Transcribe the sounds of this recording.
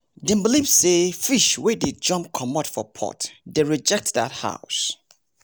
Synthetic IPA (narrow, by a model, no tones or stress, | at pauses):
dɛ̃mbəlipsefiʃweded͡ʒɔ̃mp̚kʰɔmɔtfɔpʰɔ̰tdeɹid͡ʒɛk̚tða̰tha̰ʊs